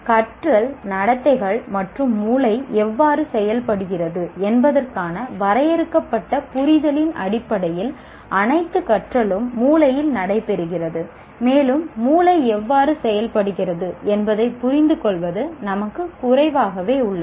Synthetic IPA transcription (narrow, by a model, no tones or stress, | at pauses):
kɐʈrɐlnɐɽɐt̪ːɐɪɣɐɭmɐʈrɯmːuːlɐɪɛʋːaːrɯsɛjɐlpɐɽɯɣɪrɐðɯɛnbɐðɐrkaːnɐʋɐɾɐjɛɾɯkːɐpːɐʈːɐpʊɾɪðɐlɪnɐ̰ɽɪpːɐɽɐjɪl | ʔɐnɐɪt̪ːɯkɐʈrɐlɯmːuːlɐjɪlnɐɽɐɪpːɛɾɯɣɪrɐðɯ | meːlɯmːuːlɐɪɛʋːaːɾɯsɛjɐlpɐɽɯɣɪrɐðɯɛnbɐðɐɪpːʊrɪnd̪ɯkɔɭʋɐðɯnɐmɐkːɯkʊrɐɪʋaːɣɐʋeːʊɭːɐ